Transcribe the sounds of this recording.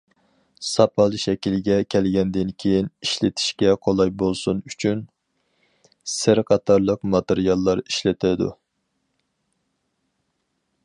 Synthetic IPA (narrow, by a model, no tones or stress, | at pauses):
sɑpʰɑlˠɨʃɛkʲilɡʲɛkʲʰɛlɡʲɛnd̪ɪnkʲʰejiniʃlɪt̪ʰi̥ʃkʲɛqʰolˠɑjbolˠsunyt͡ʃʰyn | sɪɾqʰɑt̪ʰɑɾlˠəqmɑt̪ɪɾijɑlˠːɑɾi̥ʃlɪt̪ʰɪd̪ṵ